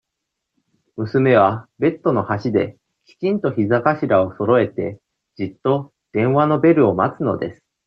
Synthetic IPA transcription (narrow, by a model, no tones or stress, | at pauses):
mɯ̟sɨme̞β̞abe̞t̪ːo̞no̞haɕid̪e̞ | kʲi̥t͡ɕĩnt̪o̞çizakaɕiɾao̞so̞ɾo̞e̞t̪e̞ | d͡ʑit̪ːo̞ | d̪̥ẽ̞ɰ̃βano̞be̞ɾɯ̟o̞mat͡sɨno̞̰d̪e̞sɨ̥